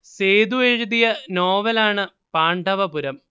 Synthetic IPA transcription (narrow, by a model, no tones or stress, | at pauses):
seːd̪ueɻud̪ijɐnoːʋɐlaːɳɨ | paːɳɖɐʋɐpuɾɐm